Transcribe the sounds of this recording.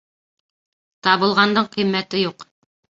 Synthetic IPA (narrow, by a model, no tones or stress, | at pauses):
t̪ɑβɤ̆lˠʁɑnd̪ɤɴqimːæt̪ɘjuq